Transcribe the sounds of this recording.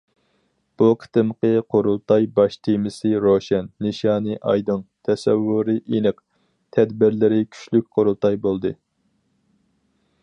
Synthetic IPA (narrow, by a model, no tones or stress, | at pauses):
b̥uqʰə̥t̪ɨmqəqʰoɾulˠt̪ʰɑjbɑʃt̪ʰemɪsɨɾoʃɛnːɨʃɑːnɨʔɑ̰jd̪ɨŋt̪ʰɛsɛvːuɾɨʔenɨq | t̪ʰɛd̪bɪɾlɪɾɪkʲʰy̥ʃlyk̚ʲqʰoɾulˠt̪ʰɑjbolˠd̪ɨ